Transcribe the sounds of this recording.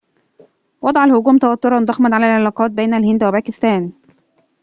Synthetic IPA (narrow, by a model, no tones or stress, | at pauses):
wɑd̪ˤʕɑlhʊɡuːmt̪æwæt̪ːoɾˤɑnd̪ˤɑxmɑnʕalælʕelɑːqɑːt̪̚beːnælhɪnd̪wæbæːkɪst̪æːn